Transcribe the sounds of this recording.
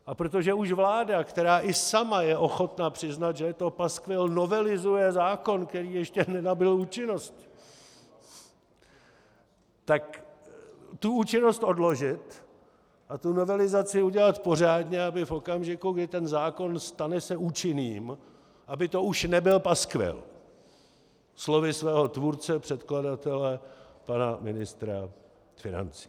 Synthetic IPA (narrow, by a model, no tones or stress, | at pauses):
ʔapɾo̞t̪̬oʒɛuʃvlaːdakt̪ɛɾaːʔɪsamajɛʔo̞xo̞t̪napr̝̥ɪznat̪ʒɛjɛt̪o̞paskvɪlno̞vɛlɪzujɛzaːko̞nkt̪ɛɾiːjɛʃcɛnɛnabɪluːt͡ʃɪno̞st̪ | t̪ːak | t̪uuːt͡ʃɪno̞st̪ʔo̞dlo̞ʒɪt̪ | ʔat̪uno̞vɛlɪzat͡sɪuɟɛlat̪po̞r̝aːdɲɛabɪfo̞kamʒɪkuɡdɪt̪ɛnzaːko̞nst̪anɛsɛuːt͡ʃɪniːm | ʔabɪt̪o̞uʃnɛbɪlpaskvɛ̰l | slo̞vɪsvɛːɦo̞t̪vuɾt͡sɛpr̝̥ɛt̪kladat̪ɛlɛpanamɪnɪst̪ɾa | fɪna̰nt͡si̥